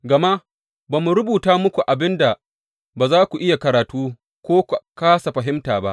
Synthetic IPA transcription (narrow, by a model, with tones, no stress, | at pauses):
ɡɐ˨ma˦ | baː˨mu˨ɾʊ˦buː˨taː˦mʊ˦kʷu˨ʔa˨bɪ˦nda˨ | baː˨zaː˦kʷu˨ʔɪ˦ja˨kɐ˨ɾaː˨tuː˦ | kʷoː˦kʷu˨kaː˦sa˨ɸɐ˨ɦɪ˦mtaː˨ba̰˦ʔ